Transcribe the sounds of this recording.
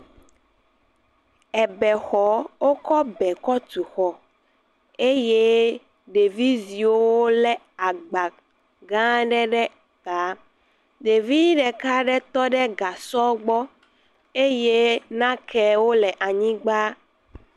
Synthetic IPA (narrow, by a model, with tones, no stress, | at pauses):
ɛ˨bɛ˨xɔ˨˦wo˦kɔ˦bɛ˨kɔ˦t̪u˨xɔ˨ | e˦je˦ | ɖe˨vi˦zi˨owwo˦lɛ˨ | a˨ɡ͡ba˨ | ɡã˦ɖɛ˦ɖɛ˦ | ka˨˦ | ɖe˨vi˦ɖɛ˨ka˦ɖɛ˦t̪ɔ˦ɖɛ˦ɡa˨sɔ˦ɡ͡bɔ˦ | e˦je˦nã˦kʰɛ˨wo˦lɛ˨ʔa˨ɲĩ˦ɡ͡ba˦